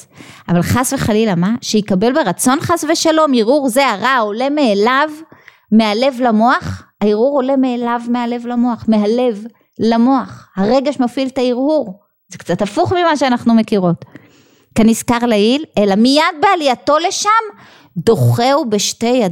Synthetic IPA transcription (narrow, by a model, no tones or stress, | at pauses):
avalχasveχalilamaʃeikabe̞lbe̞ʁat͡so̞nχasve̞ʃalo̞miʁuʁzeaʁao̞le̞meːlav | meale̞vlamo̞aχ | aiʁuʁo̞le̞meːlavmeale̞vlamo̞aχme̞ɦale̞v | lamo̞aχhaʁe̞ɡeʃmafiltaiʁhuʁ | zekt͡satafuχmimaʃeanaχnume̞kiʁo̞t | kaniskaʁlailelamijad̚bealijatole̞ʃam | do̞χeube̞ʃte̞jad